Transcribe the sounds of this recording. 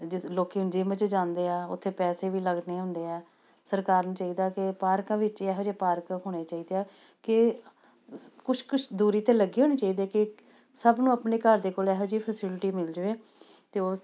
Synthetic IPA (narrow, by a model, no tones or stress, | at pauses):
d͡ʒɪloːkeːd͡ʒɪmət͡ʃd͡ʒãːnd̪eːɛːʊ̰t̪ʰːeːpɛːseːʋiːləɡneːɦʊ̃nd̪eːɛː | səɾkaːɾnaːt͡ʃaːiːd̪aːkɪpaːɾkãːʋɪt͡ʃɛːɦod͡ʒeːpaːɾkɦoːɽ̃eːt͡ʃaːiːd̪eːɛː | kɪ | kʊʃʰkʊt͡ʃʰd̪uːɾiːt̪ẽːləɡiːɦõːñeːt͡ʃaːiːd̪ɛːkɪ | səbnũːəpneːkəɾd̪eːkoːlɛːɦod͡ʒiːpʰəsɪlʈiːmɪld͡ʒʋeː | t̪eːoː